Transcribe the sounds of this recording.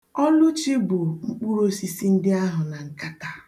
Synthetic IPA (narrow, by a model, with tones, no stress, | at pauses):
ɔ˦lʊ˦t͡ʃi˦bʊ˨ŋ͡m̩˦k͡pu˦ɾo˦si˦si˦n̩˦dɪ˦a˦ɦʊ˨na˨ŋ̩˨ka˦ta˦